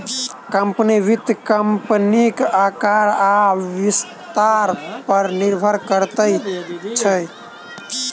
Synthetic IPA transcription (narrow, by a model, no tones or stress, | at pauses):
kəmpniʋit̪kəmpnikakaɾaʋist̪aɾpəɾniɾbʱəɾkəɾt̪əjt͡ʃʰə